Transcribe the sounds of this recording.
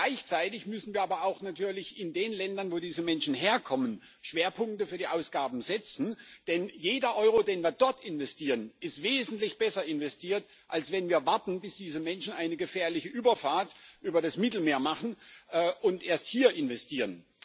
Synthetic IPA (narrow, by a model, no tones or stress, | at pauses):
ɡlaɪçt͡saɪtɪçmʏsn̩viːɐʔaːbɐaʊxnatʰyːɐlɪçɪndeːnlɛndɐnvoːdiːzəmɛnʃn̩ɦeːɐkʰɔmən | ʃv̥eːɐpʰʊŋk̚təfyːɐdiːʔaʊsɡ̥aːbm̩zɛt͡sn̩d̥ɛnjeːdɐʔɔʏʁodeːnviːɐdɔɐtɪnvɛstiːʁənɪstv̥eːzn̩tlɪçb̥ɛsɐɪnvɛstʰiːɐt | ʔalsv̥ɛnviːɐvaɐtn̩bɪsd̥iːzəmɛnʃn̩ʔaɪnəɡəfɛːɐlɪçəʔyːbɐfaːɐtʔyːbɐɾasmɪtl̩meːɐmaχn̩ʔɛːʔʊntʔeːɐsthiːɐʔɪnvɛstʰiːʁən